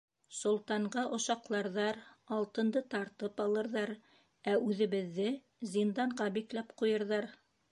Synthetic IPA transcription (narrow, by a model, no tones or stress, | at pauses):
sŏlˠt̪ɑɴɢɑʔŏʃɑqlˠɑɾðɑɾɑlˠt̪ɤ̆nd̪ɤt̪ɑɾt̪ɤpɑlˠɤ̆ɾðɑɾ | æʉðɘ̆βɘ̆ðːɘ | zʲind̪ɑɴʁɑbiklæpqujɤ̆ɾðɑɾ